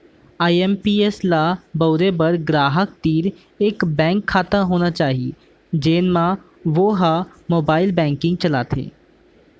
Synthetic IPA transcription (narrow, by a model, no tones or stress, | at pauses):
aːiɛmpiːeslaːbəːɾeːbəɾɡɾaːɦək̚t̪iːɾ | ɪkbɛ̃ːŋkʰːaːt̪əɦoːnaːt͡ʃaːɦie | d͡ʒeːnmãː | ʋoːɦaːmoːbaːɪlbɛ̃ːŋkɪ̃ŋɡ̚t͡ʃəlaːt̪ʰḛː